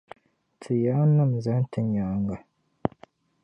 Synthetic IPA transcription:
tʰɨ˨jaː˦na˦˨m˨za˦n˦tɨ˨ɲaː˨˦ŋɡa˨

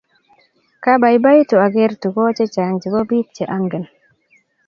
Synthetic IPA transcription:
ka˦ba˨jba˦ji˦tu˨a˨ɡɛ˦ɾtu˨ɡɔ˦t͡ʃɛ˦t͡ʃa˨ŋd͡ʒi˨bɔ˦bi˦t̚t͡ʃɛ˨ʔa˦ŋɡə˨n

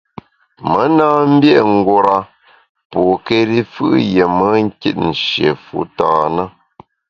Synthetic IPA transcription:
mə˦naː˦m̩˦bje˦˨ʔŋ̩˨ɡwo˦ɾa˨ | pɔː˨ke˦li˦fɯ̰˦ʔje˨mə˦ŋ̩˦kḭ˦˨t̚n̩˨ʃjḛ˨fṵ˨˦taː˦nə˦

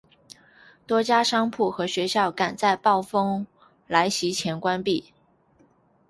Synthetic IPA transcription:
t̪wɔ˥t͡ɕja˥ʂɑ˥ŋpʰu˥˩xɤ˧˥ɕɥɛ˧˥ɕjɑ˥˩ʊka˨˩nt͡sa˥˧ɪpɑ˥˩ʊfɤ˥ŋ | la˧˥ɪɕi˧˥t͡ɕʰjɛ˧˥nkwa˥npi˥˩

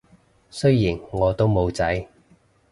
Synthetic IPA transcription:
sɵ˥ɥjiː˨˩nŋɔː˨˧t̪o˥wmo˨˧wt͡sɐ˨˥j

